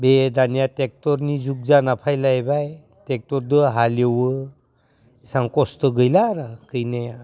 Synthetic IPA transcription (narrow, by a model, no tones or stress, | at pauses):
bedanjatek̚tɔɾnizuk̚zanapʰajlajbaj | tek̚tɔɾd̪əɦaljewɯ | isaŋkɔstəɡəjlaɾakɯjne